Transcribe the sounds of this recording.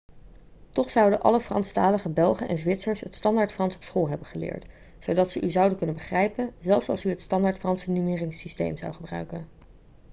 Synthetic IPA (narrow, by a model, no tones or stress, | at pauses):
tɔχsɑwdəʔɑ̰ləfrɑ̰nstaːləχəbɛlˠχənʔɛ̰nzʋɪtsəɹsɦətstɑndaːɹtfrɑnsɔpsχolˠɦɛbənχəlɪ̰ːɹt | sowdɑtsəʔyzɑwdəkɵnənbəχrɛjpənzɛlˠfsɑ̰lˠsyətstɑndaːɹtfrɑnsənymɪːrɪŋsistḛjmzɑ̰wχəbrœ̰ɥkən